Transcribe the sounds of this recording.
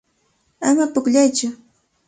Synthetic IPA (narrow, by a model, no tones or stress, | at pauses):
amapʊkʎajt͡ʃʊ